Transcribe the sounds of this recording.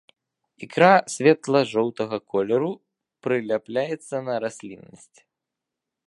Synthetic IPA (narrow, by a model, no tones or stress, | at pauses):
ikɾasʲvʲɛt̪lˠɐʐɔwt̪ɐɣɐkʰɔlʲɛɾu | pɾɨlʲaplʲajɛt̪sːɐnɐɾasʲlʲinːɐsʲt͡sʲ